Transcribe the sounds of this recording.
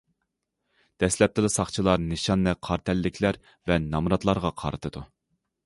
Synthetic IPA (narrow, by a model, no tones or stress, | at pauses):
d̪̥ɛslɛp̚t̪ʰɪlˠɪsɑχt͡ʃʰilˠɑɾnɨʃɑnːɛqʰɑɾt̪ʰɛlːɪkʲʰlæɾ | vɛnɑmɾɑt̪lˠɑɾʁɑqʰɑ̰ɾɨt̪ʰɨd̪̥u